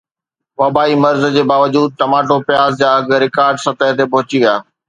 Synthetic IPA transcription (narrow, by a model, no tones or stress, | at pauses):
ʋɐbaːimɐɾz̆d͡ʑeːbaːʋəd͡ʑuːd̪̚ʈ̪ɐmaːʈopjaːzd͡ʑaːɐɡɾɪkaːɾɖsɐt̪əɦt̪epɐɦʊt͡ɕiaː